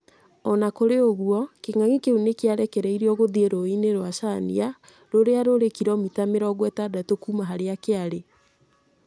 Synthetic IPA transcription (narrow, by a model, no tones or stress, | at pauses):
ɔnakoɾeoɣwɔkeŋaŋikeunekeaɾɛkɛɾɛiɾeɔɣoðieɾoineɾwaʃanḭa | ɾoɾeaɾoɾekiɾɔmitameɾɔɣwɛtadatokumaɦaɾeakeaɾe